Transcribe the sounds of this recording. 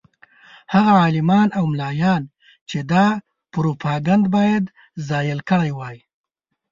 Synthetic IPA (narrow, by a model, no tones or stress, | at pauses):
haɣaɑlɪmɑnawmlɑjɑn | t͡ʃed̪ɑ | pɾopʰɑɡand̪bɑjad̪ | zɑjəlkəɽajwɑji